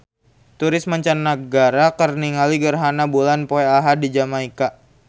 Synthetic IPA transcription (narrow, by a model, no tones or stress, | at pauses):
t̪uɾɪsmaɲt͡ʃanːaɡaɾakərniŋaliɡərɦanabulanpoɛaɦadid͡ʒamaika